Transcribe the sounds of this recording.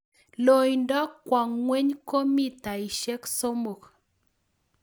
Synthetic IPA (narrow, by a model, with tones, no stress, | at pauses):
lo˨jndɔ˦kːwa˨ŋːwe˦ɲko˦mi˦ta˨i˨ʃe˦kso˦mo˨k